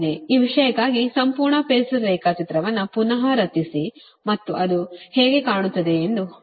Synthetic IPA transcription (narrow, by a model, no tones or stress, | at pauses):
eiːʋiʂɐjɐkːaːɡisɐmpuːɾɳɐpeːsɾɛːkɐt͡ʃit̪ɾɐʋɐnːupunɐɦɐɾɐt̪ːisi | mɐt̪ːuʔɐd̪uheːɡe̞kaːɳut̪ːɐd̪e̞ːnd̪u